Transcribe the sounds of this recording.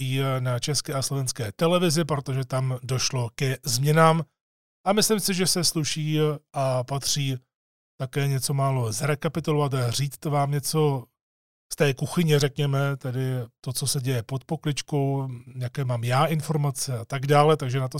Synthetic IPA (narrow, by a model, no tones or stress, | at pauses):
ɪnat͡ʃɛskɛːʔaslo̞vɛnskɛːt̪ɛlɛvɪzɪpɾo̞t̪o̞ʒɛt̪amdo̞ʃlo̞kɛzmɲɛnaːm | ʔamɪslɪmsɪʒɛsɛsluʃiːʔapat̪r̝̥iː | t̪akɛːɲɛt͡so̞maːlo̞zɾɛkapɪt̪ulovat̪riːt͡st̪vaːmɲɛt͡so̞ | st̪ɛːkuxɪɲɪrɛkɲɛmɛt̪ɛdɪt̪o̞t͡so̞sɛɟɛjɛpot̪̚po̞klɪt͡ʃko̞wjakɛːmaːmjaːʔɪnfo̞ɾmat͡sɛat̪aɡdaːlɛt̪aɡʒɛnat̪o